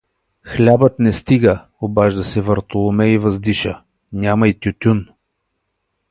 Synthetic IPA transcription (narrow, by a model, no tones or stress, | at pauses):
xlʲabət̪nɛst̪iɡə | obaʒd̪ɐsɛvɐɾt̪olˠʊmɛivɐzd̪iʃə | nʲamɐit̪ʲʊt̪ʲun